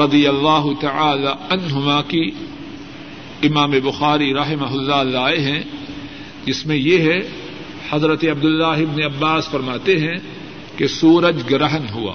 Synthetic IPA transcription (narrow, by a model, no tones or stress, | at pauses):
ɾɐd̪ijɐlːaːɦʊt̪ɐʕaːlaɐnɦʊmaki | ɪmaːmebʊxaːɾiɾɐɦɪmɐɦʊlːalaːeɦɛ̃ | d͡ʒɪsmẽjeɦɛ | hɐzɾət̪eɐb̚d̪ʊlːaːɦɪbneɐbːaːsfɐɾmaːt̪eɦɛ̃ | kesuːɾəd͡ʒɡɐɾəɦənɦua̰ː